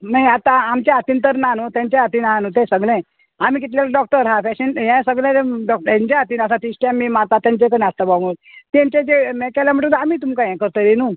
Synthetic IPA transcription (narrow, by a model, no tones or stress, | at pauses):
najat̪ãamt͡ɕãat̪iːnt̪əɾnanot̪jãɲt͡ɕẽat̪iːnɦãnot̪esəɡlɛ̃ | amiːk̬it̪lalɖɔk̚ʈəɾɦãfɛɕinɦɛ̃səɡlẽeɖɔk̚ɛ̃ɲt͡ɕãat̪iːnəs̬ãt̪isʈjãmːimat̪at̪jãɲt͡ɕekənĩast̪abamott̪ɛ̃ɲt͡ɕẽd͡ʑemɛkɛlam̤əʈuːnamiːt̪̬umkãjɛ̃kəɾt̪əɾinu